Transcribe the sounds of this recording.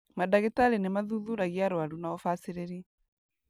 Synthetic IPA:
madaɣetaɾenemaðuðuɾaɣiaɾwaɾunaɔfasiɾeɾi

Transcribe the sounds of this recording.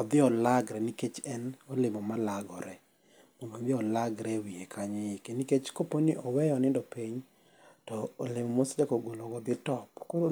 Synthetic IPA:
ɔd̪ɪɔlaɡɾɛniket͡ʃɛnɔlɪmɔmalaɡɔɾɛ | momɔd̪ɪɔlaɡɾɛwiekʰaɲejkeniket͡ʃkoponɪʔɔwɛjɔnɪndɔpiɲ | tɔːlɪmɔmosd͡ʒakoɡolɔɡɔd̪ɪtɔpkoɾ

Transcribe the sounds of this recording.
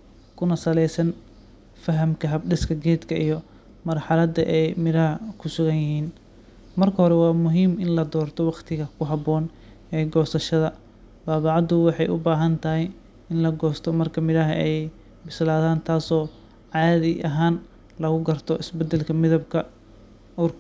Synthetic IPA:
kʰʊnɐsɐlɛjsɐn | fɐɦɐmkʰɐɦɐb̚ɖɪskʰɐɡɛːd̪kʰɐʔijɔ | mɐrħɑlɐd̪ɐ̰ʔɛjmɪɾɐɦɐkʰʊsʊɣɐnjɪhiːn | mɐrkʰɐɦɔɾɛwɑːmʊɦiːmɪnlɐd̪ɔːrt̪ʰɔwɑqt̪ʰɪɣɐkʰʊɦɑbɔːn | ɛːɡɔːsɐʃɐðɐ | baːβɑʕɑd̪ʊwɑħɑjʔʊ̰baːɦɐnt̪ʰɐɦɪj | ɪnlɐɡɔːst̪ʰɔmɐrkʰɐmɪɾɐɦɐ̰ɛj | bɪslaːðaːnt̪ʰaːsɔː | ʕɑːðɪʔɐɦaːn | lɐɣʊɡɐrt̪ʰɔʔɪsbɛd̪ːɛlkʰɐmɪðɐb̚kʰɐ | uːrkʰɐ

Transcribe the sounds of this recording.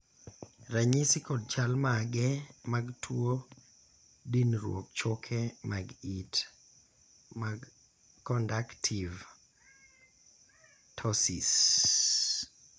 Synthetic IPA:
ɾaɲisikɔd̚t͡ʃalmaɡɛmaɡtʰwo | dinɾwo̰k̚t͡ʃɔkʰɛmaɡit | maɡ | kɔndaktʰiv | tʰɔsis

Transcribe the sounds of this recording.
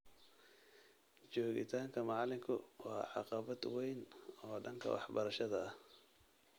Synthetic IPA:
t͡ʃɔːɣɪ̰t̪ʰaːŋkʰɐmɑʕɑlɪŋkʰʊwɑːʕɑ̰qɑβɐd̪wɛjnɔːɖɐŋkʰɐ̰wɑ̰ħbɐɾɐʃɐðɐ

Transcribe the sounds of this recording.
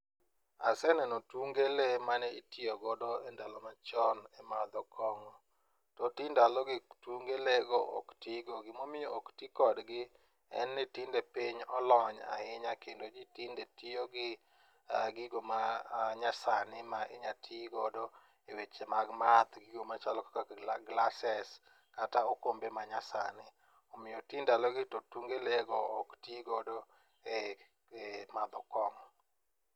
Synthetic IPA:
a̰sɛnɛnotuŋɡelemanɛitioɡɔdɔɛndalɔmat͡ʃɔnɛmad̪ɔkʰɔŋɔ | tɔtindalɔɡɪtuŋɡeleɡɔʔo̰ktiɡoɡɪmomɪjooktikɔdɡɪ | ɛ̰nːɪtɪndepiɲɔlɔɲa̰ɪɲakendod͡ʒitindetioɡɪ | ɡɪɡomaɲasanɪmaʔɪ̰ɲatʰiɡɔdɔ | ewet͡ʃemaɡmat̪ɡiɡomat͡ʃalɔkakaɡlasɛs | kataokombemaɲasanɪ | ɔmɪjɔtindalɔɡɪtotuŋɡeleɡɔːktiɡɔdɔ | e | emad̪ɔkɔŋ

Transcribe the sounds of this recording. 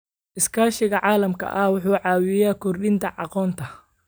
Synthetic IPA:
ʔɪskʰaːʃɪɣɐʕɑːlɐmkʰɐ̰ʔɐwʊħuːʕɑːwɪjaːkʰɔrɗɪnt̪ʰɐʕɑ̰qɔːnt̪ʰɐ

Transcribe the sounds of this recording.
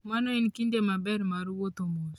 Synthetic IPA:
manoinkindemabɛɾmaɾwot̪omoɾ

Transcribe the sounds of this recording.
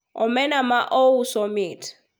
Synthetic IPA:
ɔ̰mɛnamaʔousɔmiːtʰi̥

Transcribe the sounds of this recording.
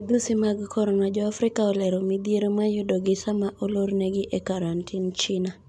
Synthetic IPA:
d̪usɪmaɡkʰɔɾɔnad͡ʒɔafɾɪkaɔlɛɾomid̪ieɾomajʊdɔɡɪsamaʔoloɾneɡɪʔekaɾantʰɪnt͡ʃɪna

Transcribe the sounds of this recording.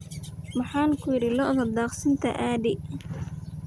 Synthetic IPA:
mɑħɑːŋkʰʊjɪɾɪlɔʔðɐd̪aːqsɪnt̪ʰɐ̰ʔaːdɪ

